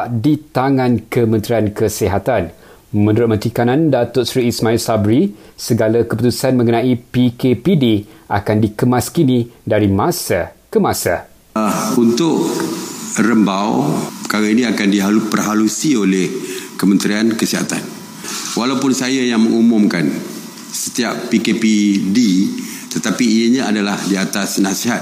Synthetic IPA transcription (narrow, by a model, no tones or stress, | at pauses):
ʔdit̪aŋãnkəmə̃nt̪ɾiankəsiɦat̪an | mə̃nuɾʊt̪̚mənt̪ikanãndat̪ʊʔsɾiːsmãilsabɾi | səɡalakəp̬ut̪usanmə̃ŋənãipikepidia̰kandikəmaskinĩdaɾimãsakəmãsa | unt̪ʊʔ | rəmbawpə̥kaɾainiakandiɦaupərɦalusiolehkəmənt̪ɾiankəsiɦa̰t̪an | walawpʊnsajajaŋməŋumũmkan | sə̥t̪iappikepidi | t̪ət̪apiːjəɲãadalahdiat̪asnãsiɦat̪